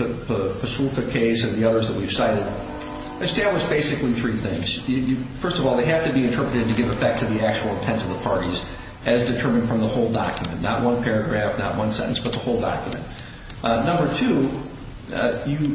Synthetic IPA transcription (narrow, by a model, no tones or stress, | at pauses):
ppʰɨsulˠkɨkʰeɪsɨ̃nðiʌðə˞zðət̚wiv̥saɪɾɨd̚ | ɨstɪlˠwɨzbeɪsɨkliθɹiθɪ̰̃ŋz̥ɨjɨfɜ˞stʌvɔlˠðeɪɦæftɨbiɨ̃ntʰɜ˞pɹɨɾɨd̚tɨɡɪvɨfɛk̚tʰɨðiæk̚t͡ʃul̩ˠə̃ntʰɛ̃ntʌvðəpʰɑɹɾiz | ʔɨzdɨtʰɜ˞mɨ̃nd̥fɹʌ̃mðəhoʊlˠdɑ̰kʰjɨmɨ̰̃nːə̰ʔ̚wʔʌ̃npʰɛɹɨɡɹæfnə̰ʔ̚wʌ̃nsɛ̰̃ɾ̰̃n̩sb̥ʌt̪̚ðəhoʊlˠdɑ̰kjɨmɨ̰̃nt | nʌ̃mbə˞tʰu | jɨ